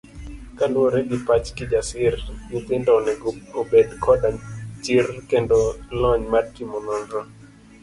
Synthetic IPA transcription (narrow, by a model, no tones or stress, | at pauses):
kalwɔɾɛɡɪpat͡ʃkɪd͡ʒasɪrɡit̪ɪndɔnɛobedkʰɔdat͡ʃirkɛndɔlɔɲmadkimɔnɔnɾɔ